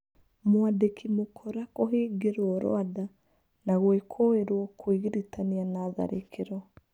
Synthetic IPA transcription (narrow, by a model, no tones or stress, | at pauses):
mwadekʰimokʰɔɾakoɦeːɡeɾwɔɾo̰ada | naɣwekʰoeɾwɔkʰwiɣiɾitanianaða̰ɾʔekʰeɾɔ